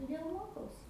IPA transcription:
tʊˈdʲeːlˠ ˈmoːkɐʊsʲɪ

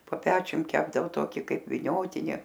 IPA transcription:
poː ˈpʲæːt͡ʃʲʊm ˈkʲæːbdɐʋoː ˈtoːkʲɪ ˈkɐɪp ʋʲɪˈnʲoːtʲɪnʲɪ

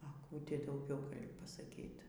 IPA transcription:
ɐ ˈkuː ˈtʲɪ dɐʊˈɡʲɛʊ pɐsɐˈkʲiːt

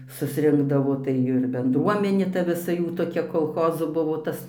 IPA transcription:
sʊsʲˈrʲɪŋɡdɐʋoː tɐɪ ˈɪr bʲɛnˈdruɔmʲɛnʲeː ˈtɐ ʋʲɪˈsɐ ˈjuː toːˈkʲɛ koːlˠˈxoːzoː ˈbʊʋoː ˈtɐs

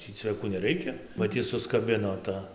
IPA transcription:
ˈtʲiː t͡sʲʋʲɛˈkuː nʲɛˈrʲɛɪkʲɛ bɐ ˈtʲɪ sʊskɐˈbʲɪnoː ˈtɐ

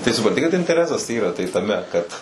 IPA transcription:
tɐɪ sʊprɐnʲˈtʲɪ kɐt ɪnʲtʲɛˈrʲæːsɐs ˈiːrɐ ˈtɐɪ tɐˈmʲɛ kɐt

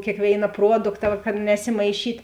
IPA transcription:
kʲeːkˈʋʲeːɪnɐ ˈpruɔdʊktɐ ʋɐ kɐt nʲɛsʲɪmɐɪˈʃʲiːtʲ

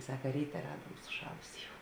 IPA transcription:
ˈsɑːkɐ ˈrʲiːtʲɛ ˈrɑːduɔm sʊˈʃɑːlˠʊsʲeː jɛʊ

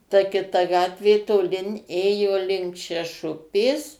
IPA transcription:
tɐ kʲɪˈtɐ ˈɡɑːtʲʋʲeː toːˈlʲɪn ˈeːjoː lʲɪŋk ʃʲɛˈʃʊpʲeːs

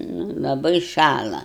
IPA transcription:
nʊ lˠɐˈbɐɪ ˈʃɑːlˠɐ

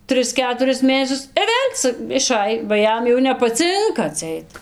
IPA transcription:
ˈtʲrʲɪs ˈkʲæːtʊrʲɪs ˈmʲeːnʲɛsʲʊs ɪ ˈʋʲeːlʲ t͡sɐ ɪˈʃɐj bɐ ˈjɛm jɛʊ nʲɛpɐˈt͡sʲɪŋkɐ ɐtʲˈsʲɛɪt

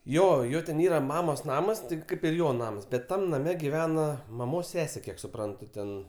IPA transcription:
ˈjoː ˈjoː tʲɛn ˈiːrɐ ˈmɑːmoːs ˈnɑːmɐs ˈtʲɪk ˈkɐɪp ɪr ˈjoː ˈnɑːmɐs ˈbʲɛt ˈtɐm nɐˈmʲɛ ɡʲɪˈʋʲæːnɐ mɐˈmoːs ˈsʲæːsʲeː ˈkʲiɛk sʊˈprɐntʊ tʲɛn

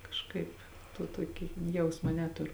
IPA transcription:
kɐʃˈkɐɪp toː ˈtuɔkʲɪ ˈjɛʊsmɐ ˈnʲæːtʊrʊ

